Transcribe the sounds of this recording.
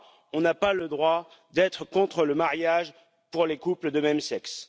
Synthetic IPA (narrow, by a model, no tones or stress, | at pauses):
ɔ̃napaləd̪ʁwa | d̪ɛt̪χəkɔ̃t̪χələmaʁjaʒ | puʁlekupləd̪əmɛmsɛks